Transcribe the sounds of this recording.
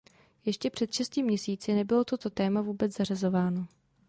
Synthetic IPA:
jɛʃcɛpr̝̥ɛt̪ʃɛscimɲɛsiːt͡sɪnɛbɪlo̞t̪o̞t̪o̞t̪ɛːmavuːbɛt͡szarazo̞vaːno̞

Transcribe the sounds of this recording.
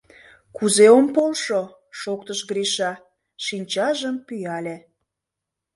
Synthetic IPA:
kuzeompolʃo | ʃokt̪əʃɡɾiʃɑ | ʃinʲt͡ɕɑʒəmpyjɑlʲe

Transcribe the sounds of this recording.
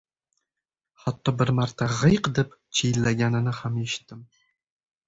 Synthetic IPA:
χɑt̪ːɒbɪɾmaɾt̪ʰaʁɨjqd̪ept͡ʃʰejlːæɡʲænɪnɪhamjeʃɪ̥t̪ʰːɪm

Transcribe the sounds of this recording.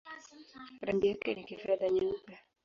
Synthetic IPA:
ɾandijakɛ̰nikifaðaɲam̩pa

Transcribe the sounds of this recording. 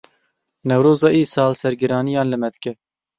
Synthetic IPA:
nɛwɾoːzɑːʔiːsɑːlsɛɾɡɪɾɑːnijɑːnlɨmɛd̪ɨ̥kɛ

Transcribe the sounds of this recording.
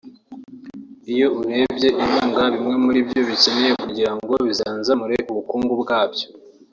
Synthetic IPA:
ijo̞uɾe̞ːbje̞ʔiβaːŋɡaβimŋe̞muɾibjo̞βicene̞jekuɟiɾaŋɡo̞βizaːnzamuɾeʔuβukuːŋɡubɡaːbɟo̥

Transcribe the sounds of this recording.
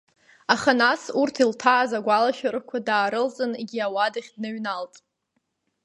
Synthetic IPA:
aχanasurtʰiltʰaːzaɡʷalaʃᶣarkʷʰadaːɾɨlzʼɨneɡʲiawadaχʲdnɨɥnaltʼ

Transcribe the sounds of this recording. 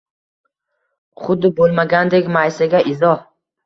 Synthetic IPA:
χʊd̪ːɪbolˠmaɡʲand̪ekʲmajsaɡʲaʔɪzɒh

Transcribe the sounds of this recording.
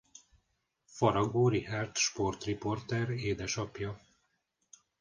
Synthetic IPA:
fɒɾɒɡoːɾihart̪ʃpo̞rt̪ripo̞rt̪ɛɾeːd̪ɛʃɒpjɒ

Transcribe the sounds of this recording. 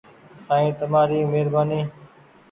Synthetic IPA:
sãːĩːt̪əmaːɾiːmeːɾbaːniː

